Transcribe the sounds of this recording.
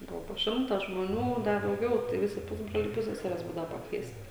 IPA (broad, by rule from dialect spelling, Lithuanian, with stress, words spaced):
ˈbʊʋoː poː ˈʃʲɪmtɐ ʒmoːˈnʲuː ˈdɐ dɐʊˈɡʲɛʊ tɐɪ ˈʋʲɪsʲɪ ˈpʊzbroːlʲɛɪ ˈpʊsʲsʲɛsʲɛrʲɛs ˈbuːdɐʋɐ pɐkˈʋʲiɛsʲtʲɪ